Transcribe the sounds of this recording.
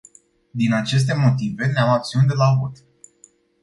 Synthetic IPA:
d̪inat͡ʃe̞s̬t̪e̞mo̞t̪ive̞neamak̚t̪siund̪elavot̪

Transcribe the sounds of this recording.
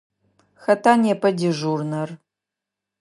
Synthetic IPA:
xɐtʰaːnjɛpʰɐdiʒuːrnɐr

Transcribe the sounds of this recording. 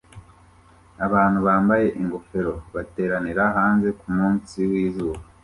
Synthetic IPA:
aβaːn̥huβaːmbaje̞ʔiŋɡo̞fe̞ɾo̞βate̞ːɾaniɾaɦaːnze̞kumuːnsiwiːzuːβa

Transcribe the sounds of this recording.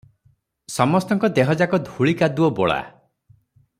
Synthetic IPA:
sɔmɔst̪ɔŋkɔd̪eɦɔd͡ʒakɔd̪ʱuɭikad̪uɔbɔɭa̰

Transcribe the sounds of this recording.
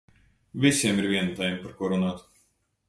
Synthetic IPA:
vʲisiɛmiɾvʲiɛnut̪ajɛmpaɾkuɔɾunaːt̪

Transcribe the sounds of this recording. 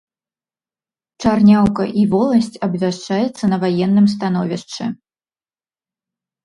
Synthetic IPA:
t͡ʂarnʲawkɐ̰ʔivɔlˠɐsʲt͡sʲɐbvʲaʂt͡ʂajɛt̪sːɐnɐvajɛnːɨms̬t̪an̪ɔvʲiʂt͡ʂɨ

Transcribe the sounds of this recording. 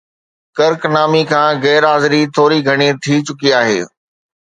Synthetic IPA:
kɐɾknaːmikʰãːɣɛːɾaːzɪɾit̪ʰoːɾiɡʱɐɽ̃it̪ʰit͡ɕʊkiaːɦḛː

